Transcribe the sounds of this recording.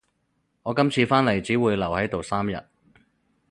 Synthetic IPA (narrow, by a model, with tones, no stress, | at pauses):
ŋɔː˨˧kɐ˥mt͡sʰiː˧faː˥nle˨˩jt͡siː˨˥wuː˨˧jlɐ˨˩whɐ˨˥jt̪o˨wsaː˥mjɐ̰˨t̚